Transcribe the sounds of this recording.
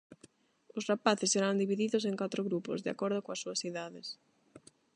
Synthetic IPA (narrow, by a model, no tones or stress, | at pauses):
ʊsrapaθɪsːeɾand̪iβiðiðʊs̬eŋkat̪ɾʊɣɾupʊ̰zðea̰kɔɾð̞ʊkoasːuɐsiðaðɪs